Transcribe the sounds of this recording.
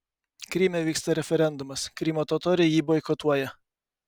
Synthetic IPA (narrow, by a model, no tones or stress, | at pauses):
kɾʲiːmʲɛʋʲiːkst̪ɐɾʲɛfʲɛɾʲɛnd̪ʊmɐskɾʲiːmʲoːt̪oːt̪oːɾʲɛjiːboɪkɔt̪uɔjɛ